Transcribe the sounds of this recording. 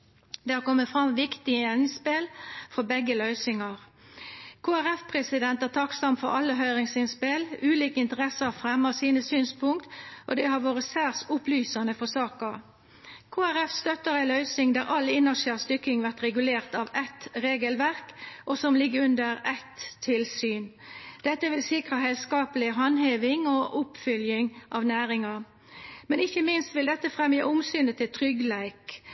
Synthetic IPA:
d̪ɛhɑɾkɔmːəfɾɑmʋɪkt̪ɪəɪnspɪlfɔbɛɡːəlœʏsɪŋɑʁ | kʰoːæɾɛfpʰʁɛsɪd̪ɛnt̪æːʁt̪ʰɑksɑmfɔɾɑlːəɦœʏʁɪŋsɪnspɪlʉːliːkəɪnt̪əʁɛsəʁɑfɾɛmɑsiːnəsyːnspʰʊŋkt̪ʔɔ̰d̪ɛhɑɾʋoːɾəsæʁsʊplyːsɑnəfɔsɑːkɑ | kʰoːæʁɛfst̪œt̪ːəɾæɪlœʏsɪŋd̪æʁʔɑlːɪnɑʃæːʁst̪ʏkːɪŋʋæʁt̪ʁɛɡʉleːʁt̪ɑʋɛt̪ɾeːɡəlʋæʁkʔɔsɔmlɪɡəʉnd̪əɾɛt̪ʰːɪlsyːn | d̪̥ɛt̪ːəʋɪlsɪkʁɑɦɛskɑːpəlɪɦɑnheːʋɪŋɔʔʊpfʏljɪŋʔɑʋnæːɾɪŋɑ | mɛnɪçəmɪnst̪ʋɪld̪ɛt̪ːəfʁɛmjəʔʊmsyːnət̪ʰɪlt̪ʰʁʏɡlæɪk

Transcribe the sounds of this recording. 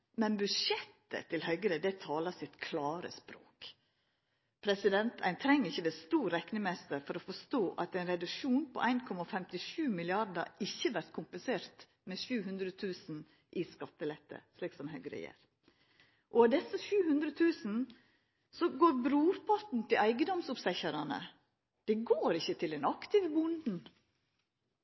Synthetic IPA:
mɛnbʉʂɛt̪ːə̰t̪ʰɪlhœʏɡəɾəd̪ɛt̪ʰɑːlɑsɪt̪kʰlɑːɾə̰spɾo̰ːk | pʰɾɛsɪd̪ɛnt̪ʰæ̰ɪnt̪ʰɾɛŋːəɪçːəd̪ɛst̪uːɾɾːɛknɪmɛst̪əɾfɔɾɔfɔʂt̪oːʔɑt̪æɪnɾɛd̪ʉʂuːnpʰɔ̰ʔæɪnkʰɔmɑfɛmt̪ɪʃʉːmɪlɪɑɾd̪ə̰ɪçːəʋæɾt̪̚kʰʊmpənseːɾt̪ | mɛʃʉːɦʉnd̪ɾət̪ʰʉːsn̩ | ʔɪskɑt̪ːəlɛt̪ːə̰ʂliːksɔmɦœɡɾə̰jḛːɾ | ʔɔɑd̪ɛsːəʃʉːhʉnd̪ɾət̪ʰʉːsn̩ | sɔɡoːɾbɾuːpʰɑt̪n̩t̪ʰɪlʔæɪɡəd̪ɔmsʊpsɛçəɾɑnə̰ | d̪̥ɛɡoːɾɪçːət̪ʰɪlɛnɑkt̪ɪːʋəbʊnd̪n̩

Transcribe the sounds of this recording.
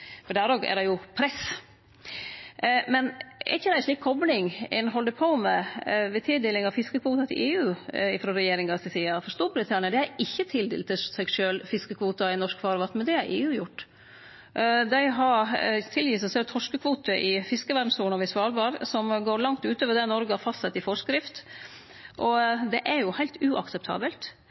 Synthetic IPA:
fɔɖ̪æɾoːɡæ̰ɾɛjʊpʰɾɛs | mɛnɛ̰çəd̪æɪʃɭiːkʰɔblɪŋɛ̰nɦɔld̪əpʰoːmɛʋɛt̪ʰɪld̪eːlɪŋɑʋfɪskəkʰʋuːt̪ɑt̪ʰɪlʔeːʉːɪfɾoːɾɛjeːɾɪŋɡɑsɛsiːɑfɔɾst̪uːɾbɾɪt̪ʰɑnɪd̪ɛæɾɪçːət̪ʰɪld̪ḛːlt̪ʰːɪsɛɡʂøːlfɪskəkʰʋuːt̪ɑɪnɔʂkfɑːɾʋɑt̪mɛnd̪ɛæɾʔeːʉːjʊʈː | d̪æɪɦɑɾt̪ʰɪljiːsɛsɛːt̪ʰɔʂkəkʰʋuːt̪əʔɪfɪskəʋæɖn̩suːnɑʋɪsʋɑːlbɑːɾsɔmɡoːɾɭɑŋt̪ʉːt̪oːʋəɖ̪ɛnɔɾɡəɑfɑst̪sɛt̪ːɪfɔʂkɾɪft̪ | ʔɔd̪ɛʔæɾjʊhæɪlt̪ʉːʔɑ̰ksɛp̚t̪ʰɑ̰ːbəlt̪

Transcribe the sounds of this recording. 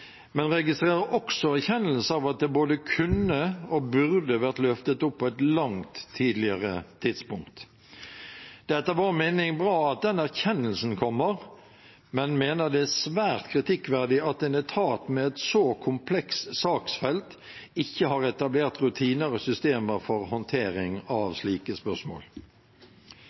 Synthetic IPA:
mɛnɾɛɡɪst̪ʁeːʁəʔɔksɔæɾçɛnːəlsəɑʋɑt̪̚d̪ɛboːd̪əkʰʉnːəɔbʉʁd̪əʋæʁt̪lœft̪ət̪ʊpʰːɔɛt̪lɑŋt̪ʰːiːd̪lɪəʁə̰t̪ʰɪd̪spʊŋkt̪ | d̪̥ɛt̪ːəʋɑɾmeːnɪŋbɾɑːɑt̪̚d̪ɛnæʁçɛnːəlsn̩kʰɔmːəɾ | mɛnmeːnəd̪ɛæsʋæːʁt̪kʰɾɪt̪ʰɪkːʋæʁd̪ɪɑt̪̚d̪ɛnɛt̪ʰɑːt̪mɛɛt̪sokʰʊmpʰlɛkssɑːksfɛlt̪ | ɪçːəhɑːɾɛt̪ɑbleːʁt̪ɾʉt̪ʰiːnəɾɔsʏst̪eːməɾfɔʁhɔnt̪ʰeːɾɪŋɑʋsliːkəspœʁsmo̰ːl

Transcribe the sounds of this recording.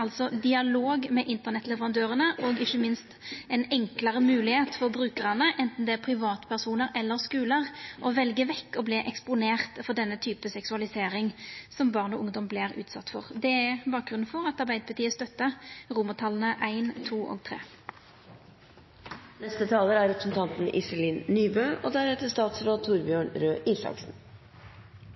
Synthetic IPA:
ɑlsɔd̪ɪɑloːɡmɛʔɪnt̪əʁnɛt̪ːlɛʋəʁɑnd̪øːʁənəʔɔɡɪçːəmɪnst̪ɛnɛŋkləʁəmʉːlɪheːt̪fɔʁbʁʉːkəʁɑnəʔɛnt̪n̩d̪ɛæʁpʰɾɪʋɑːt̪pʰæʁsuːnəɾɛlːəʁskʉːləʁʔɔʋɛlɡəʋɛkːɔbliʔɛkspʊneːʁt̪fɔd̪ɛnːət̪ʰyːpəsɛksʉɑlɪseːɾɪŋsɔmbɑːʁnɔʔʊŋd̪ɔmblɪʁʉ̰ːt̪sɑ̰t̪ːfɔ̰ʁd̪ɛæbɑːk̚ɡʁʉnfɔʁɑt̪ɑʁbæɪd̪əpʉt̪ʰiːəst̪œt̪ːəʁʊmət̪ʰɑlənəʔæɪnt̪ʰuːʔo̰ːɡ̚t̪ʰʁḛː | nɛst̪ət̪ʰɑːləɾæɾɛpɾəsn̩t̪ʰɑnt̪n̩ʔɪ̰səliːnnyːbøːʔoːd̪æɾɛt̪əst̪ɑːt̪sɾoːt̪ʰʊɾbjøːɳɾøːʔiːsɑ̰ksn̩

